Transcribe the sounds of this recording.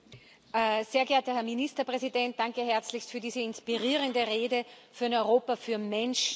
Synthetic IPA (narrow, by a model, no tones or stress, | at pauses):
ʔzeːɐɡɛɐtəhɛɐministɐpʁ̥ɛzidɛnt̚d̥aŋkəɦɛɐt͡slɪçstfyɐdiːzəɪnspiʁiːʁəndəʁeːdəfyːɐnɔʏʁoːpɐfyːɐmɛnʃ